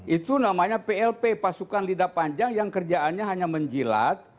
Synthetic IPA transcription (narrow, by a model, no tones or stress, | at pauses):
ʔit̪unamaɲapeɛlpepasukanlidapaɲd͡ʒaŋjaŋkərd͡ʒaʔanɲaɦaɲaməɲd͡ʒila̰t̪̚